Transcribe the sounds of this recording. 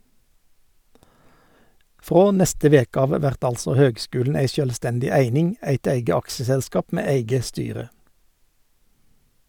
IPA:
ˈfʁoː ˈnɛstə ˈʋeːkə ˈɑːʋ ˈʋæʁt ˈɑlsɔ ˈhøːɡˌskʉːln̩ ˈæɪ ˈʃøːlˌstɛndɪ ˈæɪnɪŋ ˈæɪt ˈæɪɡə ˈɑksəsɛlˌskɑːp ˈmeː ˈæɪɡə ˈstyːʁə

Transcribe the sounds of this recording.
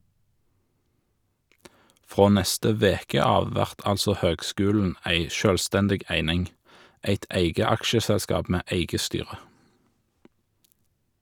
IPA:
ˈfʁoː ˈnɛstə ˈʋeːkə ˈɑːʋ ˈʋæʁt ˈɑlsɔ ˈhøːɡˌskʉːln̩ ˈæɪ ˈʃøːlˌstɛndɪɡ ˈæɪnɪŋ ˈæɪt ˈæɪɡə ˈɑkʃəsɛlˌskɑːp ˈmeː ˈeɪɡə ˈstyːʁə

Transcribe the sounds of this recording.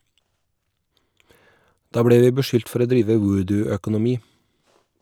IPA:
ˈdɑː ˈbɽeː ˈʋiː bəˈʃʏlt ˈfɔɾ ˈoː ˈdɾiːʋə ˈwʊːdʉœkʊnʊˌmiː

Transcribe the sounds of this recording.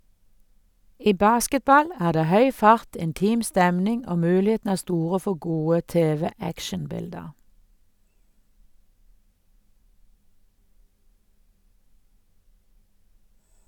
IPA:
ˈiː ˈbɑːskətˌbɑl ˈæːʁ ˈdeː ˈhœʏ ˈfɑʁt ɪnˈtiːm ˈstɛmnɪŋ ˈoː ˈmʉːlɪeːtn̩ ˈæː ˈstuːʁə ˈfɔ ˈɡuːə ˈteːʋɛˌækʃənˌbɪldəʁ

